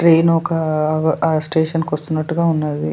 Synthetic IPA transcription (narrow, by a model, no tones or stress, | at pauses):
ʈɾeːnɔkɐɡɐsʈeːʂɐnkɐst̪unːɐʈːuɡaːunːaːd̪i